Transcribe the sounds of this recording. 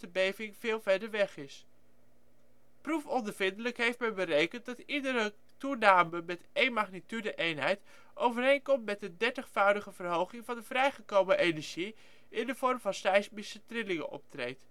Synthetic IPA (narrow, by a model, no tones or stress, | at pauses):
dəbejvɪŋv̥ɪːlˠvɛɹdəɹʋɛχɪs | prufɔndəɹvɪndələkɦejftmɛjbərejkənt̚dɑtidəɾə | tunaːməmɛtejnmaχnitydəʔejnɦɛjt | ʔowvərejnkɔmtmɛt̚dədɛɹtəχfœwdəχəvərɦowχɪŋvɑndəvrɛjχəkowməʔejnɛɹʒi | ʔɪndəv̥ɔɹmvɑnsɑjsmisətrɪlɪŋənʔɔ̰p̚trejt